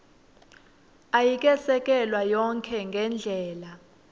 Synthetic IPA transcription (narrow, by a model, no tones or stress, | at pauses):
ajik̬ʼɛsɛk̬ʼɛlwajɔŋkʰɛŋɡʱɛnd͡ɮʱɛːla